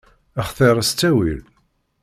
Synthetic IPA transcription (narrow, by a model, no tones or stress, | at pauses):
æχθeɾˤəst͡sːæwil